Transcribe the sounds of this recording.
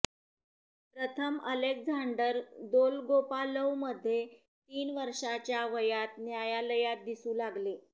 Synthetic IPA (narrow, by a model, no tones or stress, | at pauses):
pɾət̪ʰəməlekd͡zʱaɳɖəɾd̪olɡopaləʋməd̪ʱːje | t̪iːnʋəɾʂat͡ɕjaʋəjat̪njajaləjat̪̚d̪isuːlaɡle